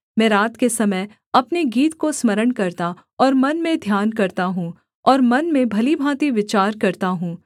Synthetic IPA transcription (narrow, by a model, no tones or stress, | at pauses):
mɛ̃ːɾaːt̪kesɐməj | ɐpneɡiːt̪kosmɐɾəɽkɐɾt̪a | ɔːɾmɐnmẽd̪ʱjaːnkɐɾt̪aɦũː | ɔːɾmɐnmẽbʱɐlibʱãːt̪iʋɪt͡ʃaːɾkɐɾt̪aɦũː